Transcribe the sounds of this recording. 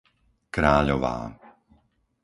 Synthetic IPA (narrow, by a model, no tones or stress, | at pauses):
kɾaːʎɔʋa̰ː